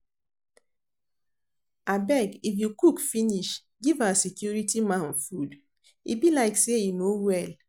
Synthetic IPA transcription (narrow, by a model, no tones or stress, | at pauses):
abɛɡifjukukfiniʃ | ɡivasikjuɾitimãn̩fud | ḭbilaɪkseinowɛl